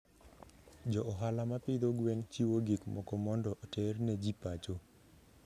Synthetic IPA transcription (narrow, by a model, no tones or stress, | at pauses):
d͡ʒɔʔːɦalamapɪd̪oɡweŋt͡ʃiwoɡikmɔkɔmɔndɔʔɔterned͡ʒipat͡ʃo